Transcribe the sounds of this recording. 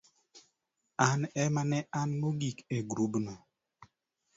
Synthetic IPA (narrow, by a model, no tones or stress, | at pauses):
anɛmanɛʔanmoɡikeɡɾubna